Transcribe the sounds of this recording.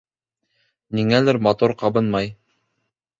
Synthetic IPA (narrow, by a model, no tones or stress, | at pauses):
niŋælɘɾmɑt̪uɾqɑbɤnmɑj